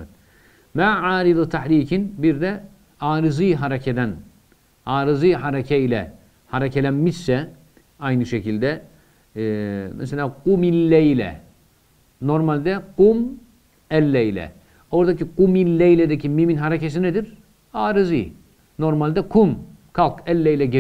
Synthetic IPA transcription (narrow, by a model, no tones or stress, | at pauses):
ɛ | maːʕaːɾid̪t̪ʰaħɾiːcʰinbiɾd̪ɛ | aːɾɯzɯjɦaɾecʰed̪æn | aːɾɯzɯjhaɾacʰɛilʲɛ̰ | haɾecʰelʲænmiʃsɛ | ajnɯʃecilʲd̪ɛ | mɛ̰selʲaːquminːɛjlʲɛ̰ | no̞ɾmalʲd̪ɛqum | ɛlʲːɛjlʲɛ̰ | o̞ɾd̪aciquminlːejlʲed̪ɛcʰimiminɦaɾecʰes̬inɛd̪iɾ | aːɾɯzɯ̰j | no̞ɾmalʲd̪ɛkʰum | kʰalˠkɛlʲːɛjlʲɛɟe